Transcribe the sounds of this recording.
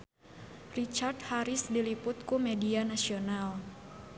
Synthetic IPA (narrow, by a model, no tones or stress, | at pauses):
rit͡ʃardhaɾisdilipʊt̪̚kumɛdianasional